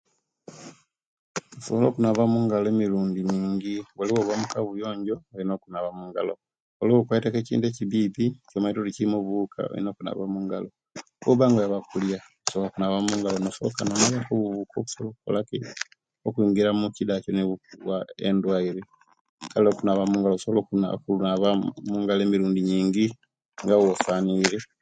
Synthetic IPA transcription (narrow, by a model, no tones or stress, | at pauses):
uso̰βolo̞kunaβamuŋɡaloemiɾuːndimiːɲɟiβaliβoβwamukaβujo̞ːɲɟo̞oinoːkunaβamuŋɡalo̰ | oliokwaitakecḭːndeciβiːticomaitolicimoβukʰa̰o̰ḭnoːkuna̰βamuŋɡa̰lo | uβaŋɡojaβakuljakusolokunaβamuŋɡalonosokanomaβakoβuvukokusolokuko̰laki | okwiːŋɡiɾamucidaconiβuβwaḛndwaiɾe | kaliokunaβamuŋɡalousolokuna̰kunaβamuŋɡalemiɾuːndiɲiːŋɡi | ŋɡawofaniɾe